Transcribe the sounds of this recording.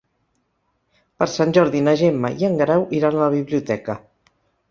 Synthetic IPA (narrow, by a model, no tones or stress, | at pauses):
pəɾsanʲʒɔɾðinəʒemːə̰iəŋɡɾɛwʔiɾanələβ̞iβliut̪ɛkə